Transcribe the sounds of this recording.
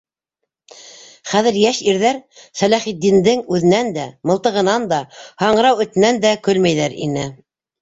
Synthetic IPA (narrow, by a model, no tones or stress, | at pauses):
χæðɘ̆ɾjæʃiɾðæɾsælæχitd̪ːind̪ɘŋʉðɘ̆nænd̪æmɤ̆lˠt̪ɤ̆ʁɤ̆nɑnd̪ɑhɑɴɤɾɑwɵ̆t̪ɘ̆nænd̪ækɵlmæjðæɾḭnɘ